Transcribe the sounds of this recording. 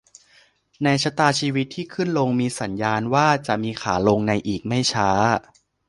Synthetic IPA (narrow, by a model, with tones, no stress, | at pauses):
na˧jt͡ɕʰa˦˥t̪aː˧t͡ɕʰiː˧wi˦˥t̪ʰːiː˥˩kʰɯ˥˩nlo˧ŋmiː˧sa˩˦njaː˧nwaː˥˩t͡ɕa˨˩ʔmiː˧kʰaː˩˦lo˧ŋna˧jʔiː˨˩k̚ma˥˩jt͡ɕʰaː˦˥